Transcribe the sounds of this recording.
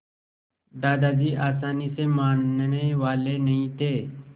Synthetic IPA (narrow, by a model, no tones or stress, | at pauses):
d̪aːd̪ad͡ʑiːʔaːsaːnisemaːnɳeʋaːlenəɦĩt̪e